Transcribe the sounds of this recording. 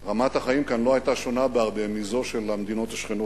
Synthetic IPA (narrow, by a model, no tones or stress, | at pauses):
ʁamat̪haχaimkanlo̞ajtaʃo̞nabeaʁbe̞mizo̞ʃe̞lamed̪ino̞t̪aʃχeno